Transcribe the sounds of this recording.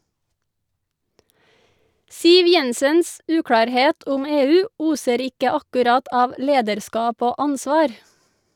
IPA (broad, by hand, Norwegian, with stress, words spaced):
ˈsiːʋ ˈjɛnsəns ˈʉːkɽɑːɾˌheːt ˈʊm ˈeːˌʉː ˈuːsəɾ ˈɪkə ɑkʉˈɾɑt ˈɑːʋ ˈleːdəɾˌskɑːp ˈoː ˈɑnsʋɑːɾ